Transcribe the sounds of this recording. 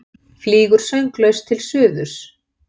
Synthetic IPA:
fliːɣʏɾ̥sœɥŋklœɥst̪ʰɪlsʏːðʏs

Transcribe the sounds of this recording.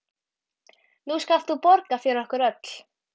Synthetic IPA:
nuskaft̪θupɔɾkafjɪɾɪɾɔhkʏɾœt̪l̥

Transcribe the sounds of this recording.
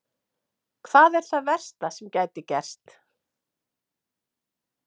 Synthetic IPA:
kʰvaːðɛɾ̥θaðvɛr̥st̪asɛmcaːjt̪ɪcɛr̥st̪

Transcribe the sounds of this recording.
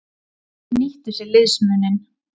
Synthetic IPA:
niht̪ʏsɛlɪðsmʏnːɪn

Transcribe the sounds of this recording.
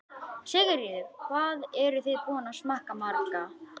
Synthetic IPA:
sɪɣɪɾiðɪ̥kʰvaːðɛɾʏθejðpɔːnasmahkamaɾka

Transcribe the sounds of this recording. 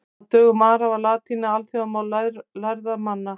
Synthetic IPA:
t̪œːɣʏmaːɾavalaːt̪ʰinaalθiamawlaɾlajɾðamanːa

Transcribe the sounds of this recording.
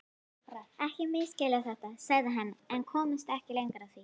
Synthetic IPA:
raɛhcɪmɪːscɛːlaθɛht̪asɛɣðɪɦɛnːaɛnkʰɔːmɪst̪ɛhcɪlejŋkaɾawθvi

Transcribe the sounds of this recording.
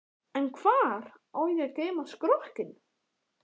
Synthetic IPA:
ɛnkʰvaːɾ | aːwjɛkeːjmaskɾɔhcɪn

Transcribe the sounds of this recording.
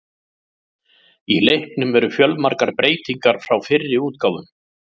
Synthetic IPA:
ilejhpnʏmvɛɾʏfjœlmaɾkaɾpɾeːjt̪iŋkaɾ̥fɾawfɪrːɪuːt̪̚kaːwðʏm

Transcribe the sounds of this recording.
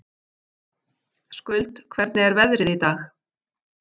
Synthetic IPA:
skʏlt̪kʰvɛɾt̪nɪɛɾvɛðɾɪðit̪aːx

